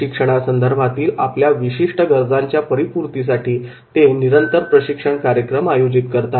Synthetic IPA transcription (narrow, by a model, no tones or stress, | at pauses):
ikʂəɽ̃asənd̪əɾbʱat̪iːlapljaʋiɕiʂʈəɡəɾd͡zaɲt͡ɕjapəɾipuɾt̪is̬aʈʰiː | t̪eniɾənt̪əɾpɾəɕikʂəɳkaɾjəkɾəmajod͡ʑit̪kəɾt̪a